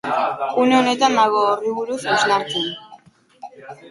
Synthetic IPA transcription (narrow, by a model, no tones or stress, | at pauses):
une̞one̞t̪and̪aɣo̞ːriβuɾusoznaɾt͡sen